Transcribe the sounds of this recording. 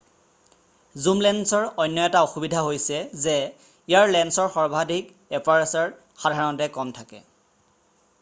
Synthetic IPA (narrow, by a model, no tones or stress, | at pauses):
zumlɛnsɔɹɔjnːɔɛtaoxubidʱaɦojsɛzɛ | ijaɹlɛnsɔɹxɔɹbʱadʱik | ɛpaɹɛsɔɹ | xadʱaɹɔɔntɛkɔmtʰakɛ